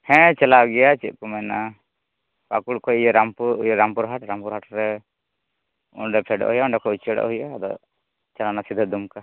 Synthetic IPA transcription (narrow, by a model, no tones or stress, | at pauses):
hɛ̃t͡ʃɛlaɡɛjat͡ʃit̪̚ˀkumɛna | pakuɽkɔjijɔɾampujɔɾampuɾɦaʈɾampuɾɦaʈɾɛ | ṵɳɖɛpʰɛɖɔ̰ʔɦujauɳɖɛkɔut͡ʃɛɽɔ̰ʔhujad̪ɔ̰ | t͡ʃalanasid̪ʱɔd̪umka